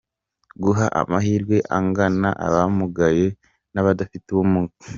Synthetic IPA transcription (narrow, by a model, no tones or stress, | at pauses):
ɡuɦaʔa̰mahiɾɡwe̞ʔa̰ŋɡanaʔa̰βamuɡaje̞ | naβadafituumuːki̥